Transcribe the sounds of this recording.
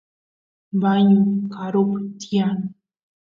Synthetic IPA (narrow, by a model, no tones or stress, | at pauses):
baɲʊkaɾopt̪ian